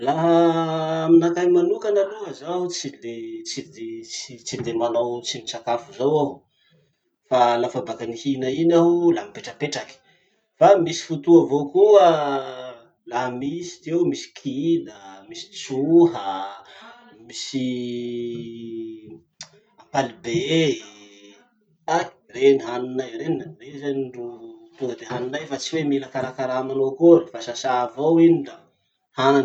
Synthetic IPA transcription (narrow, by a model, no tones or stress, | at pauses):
laɦəaminakajmanukanaluɦəzaɦut͡silet͡sid̪et͡sit͡sid̪emanawt͡simit͡sakafuzawaɦu | falafabakanihinainaɦulaɦmipeʈ͡ʂəpeʈ͡ʂaki̥ | famisi̥fut̪uavokuə | laɦəmisi̥t̪ewmisi̥kʰinəmisi̥t͡suɦə | misi | apalibe | ak | reniɦaninajɾenarezanɳɖ͡ʐut̪uəd̪eɦaninajfat͡siweminakaɾakaɾamanokoɾifasasavowiniɖ͡ʐa | hanan